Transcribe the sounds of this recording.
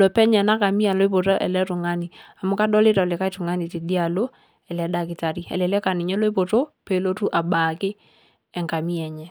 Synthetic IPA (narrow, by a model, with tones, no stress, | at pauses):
lɔ˨pɛ˦ɲɛ˨na˦ka˨mi˦a˨lo˦i˦p̬o˨to˦ʔɛ̰˨lɛ˦tʊ˨ŋa˦ni˨a˨mʊ˦ka˦dɔ˦lɪ˦ta˨lɪ˨ka˦i˦tʊ˨ŋa˦ni˨ti˨di˦a˨lo˦ | ɛ˨lɛ˨da˦˨kɪ˨ta˨ɾi˦ɛ̰˨lɛ˨lɛ˦ka˨nɪ˨ɲɛ˦lo˦i˦p̬o˨to˦pe˨lo˦tu˦ʔa˨ba˨kɪ˦ | ɛ˨ŋka˨mi˦ɛ˨ɲɛ˦